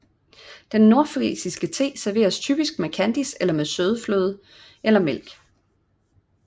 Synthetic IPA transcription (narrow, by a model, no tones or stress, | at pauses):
d̥enːo̝ɐfʁḭːsisɡ̥ət͡sʰe̝̰ːsæɐʋe̝̰ːɐst͡sʰy̰ːb̥isɡ̥̚mekʰænd̥iselɐmeðˠsøːð̞ˠəflø̰ːð̞ˠ | elɐmel̰ɡ̥